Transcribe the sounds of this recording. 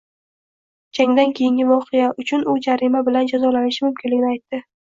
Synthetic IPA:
d͡ʒaŋd̪ankʲʰejɪŋɡʲɪvɒqʰɨjaʔʊt͡ʃʰʊnʊd͡ʒaɾɪmabɪland͡ʒazɒlanɪʃɪmʊmkʲʰɪnlɪɡʲɪnɪajt̪ːɪ

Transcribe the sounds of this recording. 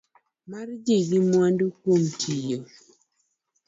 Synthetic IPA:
maɾd͡ʒiɡimwandukomtʰijo

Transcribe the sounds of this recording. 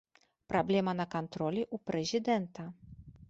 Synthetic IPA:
pɾɔblʲɛmanakɔnt̪ɾɔlʲiʔupɾɛzʲɨd̪ɛnt̪a

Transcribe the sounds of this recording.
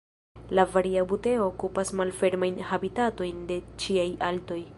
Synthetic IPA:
lavaɾiabute̞o̞ːkupasmalfe̞ɾmajnhabitato̞jnde̞t͡ʃiajʔalto̞j

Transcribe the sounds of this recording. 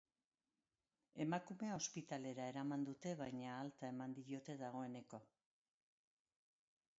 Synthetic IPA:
e̞makume̞ao̞spit̪ale̞ɾae̞ɾamand̪ut̪e̞βajɲaːlt̪ae̞mand̪iio̞t̪e̞ðaɣ̞o̞e̞ne̞ko̞

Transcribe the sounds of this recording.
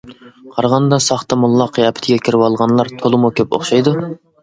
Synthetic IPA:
qʰɑɾʁɑnd̪ɑsɑχt̪ɑmulˠːɑqːjɑpʰɪ̥t̪ʰɪɡʲɛkʲʰiɾɪwɑlˠʁɑnlˠɑɾt̪ʰolˠɨmukʲøpo̰χʃɑjd̪u

